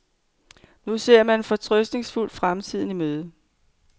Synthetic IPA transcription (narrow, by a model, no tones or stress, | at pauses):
nuse̝ɐ̰mæne̝nfɒ̽t͡sʰʁœsd̥ne̝ŋsful̰fʁamt͡sʰið̞̰ˠn̩imøːð̞ˠə